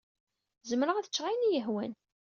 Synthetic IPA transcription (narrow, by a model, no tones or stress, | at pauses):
zəmɾəʁæðət͡ʃːʁajnijəɦwæn